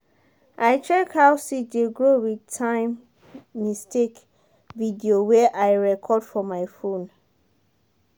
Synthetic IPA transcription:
ʔaɪt͡ʃɹɛkhawsideɡɹowidtʰãɪ̃mː | istek | vidiowɛʔaɪɹɛkʰɔdfɔmaɪfõn

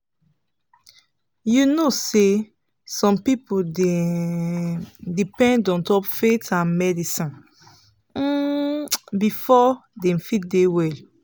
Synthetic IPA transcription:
junose | sɔ̃mpipodɛ | dipɛ̃ndɔ̃ntɔpfetãmɛdisɔ̃n̩ | bifɔdɛ̃mfit̚dewɛl

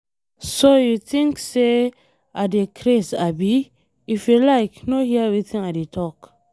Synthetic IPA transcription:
sojut̪ĩŋkse | ʔadekʰɾesabi | ifilaɪknohiɛviθĩŋadetʰɔk

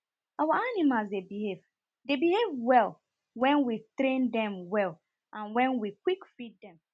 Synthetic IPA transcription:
awaanĩmalsdebihev | debihevwɛl | wɛ̃nwitɾẽndɛ̃mwɛl | ʔãnwɛ̃nwikwikfit̚dɛ̃m

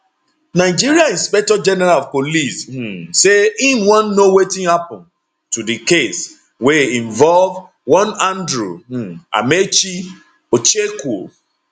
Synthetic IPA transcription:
naɪd͡ʒiɹiãnĩnspɛk̚tɔd͡ʒɛnɛɾalɔv̥polis̩ː | eĩnwɔ̃nːowetĩnhapɔ̃n | tudikes | wɛĩɱvɔlv | wɔ̃nãndɹua̰met͡ʃi | ot͡ʃeko̰

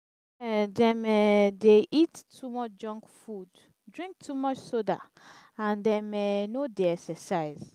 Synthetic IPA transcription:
ɛdɛ̃mɛdeʔittʰːumɔt͡ʃd͡ʒɔ̃ŋkfud | dɹĩŋk̚tʰumɔt͡ʃsoda̰ | ãndɛ̃mɛnodeɛksɛsaɪz̥

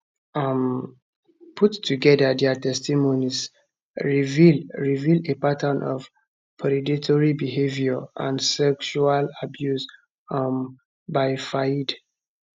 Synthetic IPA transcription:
am | pʰutːʰuɡɛdadɛtɛstimonis | ɹiviɹivildepatʰənʔɔ̰f | pʰɔɾiditʰɔɹibihevjɔã̰nsɛkʃualabjus | am | baɪfaid

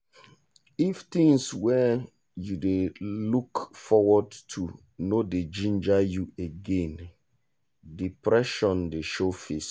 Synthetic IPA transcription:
ift̪ĩŋswɛ | judelukfɔwɔdtʰu | noded͡ʒĩnd͡ʒajueɡẽn | dipɹɛʃɔ̃ndeʃofes

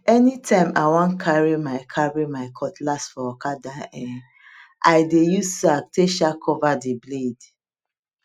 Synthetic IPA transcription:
ɛnitʰãɪ̃maɪwɔ̃nkʰaɹimaɪkʰaɹimaɪkʰɔtlasfɔɔkadãɛ | ʔaɪdejustak̚tʰeʃakʰɔvadebled

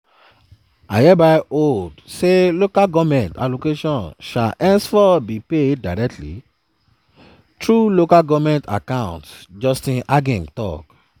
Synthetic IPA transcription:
a̰jɛbaʔoldselokaɡɔvmɛ̃nta̰lokeʃɔ̃nʃa̰ʔɛ̃nsfɔbipedaɹɛk̚tlḭ | tʰɹulokaɡɔvmɛ̃nta̰kãwʊ̃ntd͡ʒɔstĩnʔaɡẽmtɔ̰k

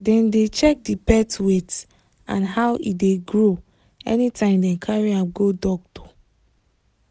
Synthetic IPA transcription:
dɛ̃ndet͡ʃɛk̚dipɛtwet | ã̰nɦawʔḭdeɡɹo | ɛ̰nitãɪ̃mdɛ̃nkʰaɹiapɡodɔktɔ̥

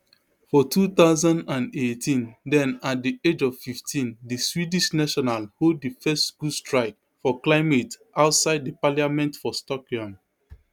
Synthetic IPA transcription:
fɔtʰuθaʊzãndãnetʰĩndɛ̃nat̚died͡ʒɔvfiftʰĩndiswidiʃnaʃɔnalhoddəfɛstɡ̥ustɹaɪk̚ | fɔklaɪmetʔaʊtsaɪd̚dəpaljamɛ̃ntfɔstɔkɔ̃m

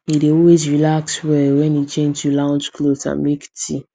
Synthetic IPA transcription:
ideɔlwezɹilakswɛwɛ̃nit͡ʃẽntulãʊ̃nd͡ʒklosã̰mmektʰi

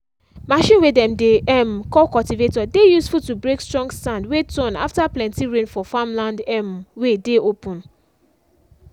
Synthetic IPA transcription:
maʃĩnwedɛ̃mdeʔɛmkɔkɔltivetɔdejusfutubɹekstɹɔ̃ŋɡstãndwetɔ̃na̰ftaplɛ̃ntiɹẽnfɔfamlãndɛmwedeopũn

